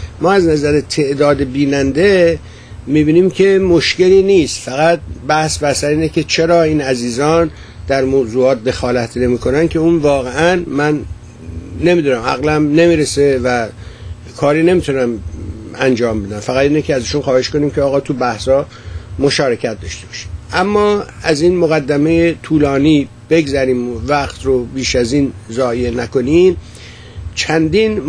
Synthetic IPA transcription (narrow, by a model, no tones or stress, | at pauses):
mɒːæznæzæɾet̪ʰe̞ʔd̪ɒːd̪ebiːnænd̪e̞ | mibiːniːmcʰe̞moʃce̞liːniːst̪fæɣæt̪̚bæhsbæsæɾiːnekʰe̞t͡ʃʰe̞ɾɒːiːnæziːzɒːn | d̪̥æɾmoːzuːɒːt̪̚d̪e̞xɒːlæt̪ʰne̞miːkʰo̞nænkʲʰe̞uːnvɒːɣe̞ænmænː | e̞miːd̪unæmæ̰ɣlæmne̞miːɾese̞væ | kʰɒːɾiːne̞miːt̪ʰunæmænd͡ʒɒːmbe̞d̪æmfæɣæd̪iːnicʰʲeæziːʃunxɒːhe̞ʃko̞niːmcʰeɒːɣɒːt̪ʰubæhsɒː | mo̞ʃɒːɾecʰæt̪̚d̪ɒʃt̪e̞b̥ɒ̥ːʃi̥mæmːɒːæziːnmoɣæd̪ːæme̞jet̪ʰuːlɒːniː | b̥e̞ɡzæɾiːmvæχt̪ɾobiːʃæziːnzɒːjenæko̞nim | t͡ʃʰænd̪iːn